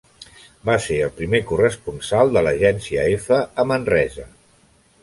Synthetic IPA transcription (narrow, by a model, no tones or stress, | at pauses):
baseəlˠpɾimekurəspunsalˠd̪ələʒɛnsiə̰efəəmənrɛzə